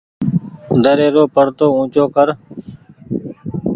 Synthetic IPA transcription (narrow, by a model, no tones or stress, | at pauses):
d̪ʱəɾeːɾoːpəɽt̪oːũːt͡ʃoːkəɾ